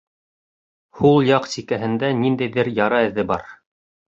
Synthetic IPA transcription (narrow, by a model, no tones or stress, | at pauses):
hulˠjɑqsikæɦɘ̆nd̪ænind̪æjðɘɾjɑɾɑɘ̆ðːɘbɑɾ